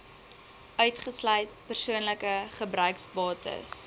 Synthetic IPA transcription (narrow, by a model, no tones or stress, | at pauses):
ʔœɥtχəslœjt̚pərsuənləkəχəbrœɥksbɑːtə̰s